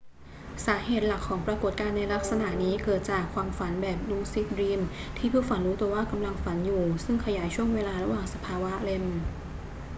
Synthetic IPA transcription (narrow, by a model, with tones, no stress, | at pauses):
saː˩˦heː˨˩t̪̚la˨˩kʰːɔː˩˦ŋpɾa˧ko˨˩t̪̚kaː˧nːa˧jla˦˥k̚sa˧na˨˩ʔniː˦˥kɤː˨˩t̪̚t͡ɕaː˨˩kʰːwaː˧mfa˩˦nbɛː˨˩p̚duː˧˩si˦˥t̪̚ɾiː˧mt̪ʰiː˥˩pʰuː˥˩fa˨˦nɾuː˦˥t̪u˧ɐwaː˥˩ka˧mla˧ŋfa˩˦njuː˨˩sɯ˥˩ŋkʰa˧jaː˩˦jt͡ɕʰu˥˩əŋweː˧laː˧ɾa˧˥waː˨˩ŋsa˧pʰaː˧wa˦˥le˧m